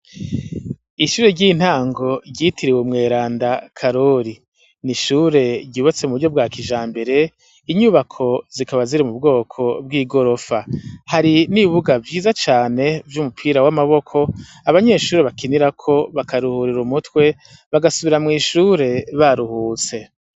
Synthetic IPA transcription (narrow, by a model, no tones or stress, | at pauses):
iʃuːɾe̞ɾɟiːn̥haːŋɡo̞ɟɟitʰiɾiwumŋe̞ːɾaːndakʰaɾo̞ɾi | niʃuːɾe̞ɟɟuːβat͡se̞muβuɾɟo̞b̚ɡwaːkʰiʒaːmbe̞ɾe̞ | iɲuːβakʰo̞zikaβaziɾimubɡo̞ːkʰo̞b̚ɡiːɡo̞ɾo̞fahaɾiniβuɡavjiːzat͡ʃaːne̞vjumupʰiɾawamaβo̞kʰo̞ | aβaɲe̞ʃuːɾeβakiniɾakʰo̞βakaɾuhuɾiɾumutwe̞ | βaɡasuβiɾamŋiːʃuːɾe̞βaɾuhuːt͡se̞